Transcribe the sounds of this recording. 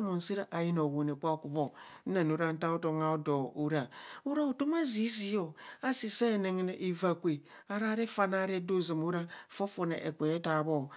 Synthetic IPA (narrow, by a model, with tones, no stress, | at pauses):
mo˨n̩˨si˦ɾa˦ʔa˨ji˦no˨wo˨n˨e˨k͡pa˦˨ku˨bo˦na˨no˨ɾa˦n̩˦ta˦o˦to˨ŋa˨o˦do˨u˦ɾa˨u˦ɾa˦o˨to˦ma˦zi˦zi˦jo˨a˦si˨se˦˨ne˨ŋe˦ne˨ʔi˨va˨kʷe˨ | a˦ɾa˦ɾe˦fa˨na˦ɾe˦do˦˨zi˨mu˦ɾa˦˨fo˦fo˨nḛ˨ʔe˨kʷe˨je˦ta˨βo˦˨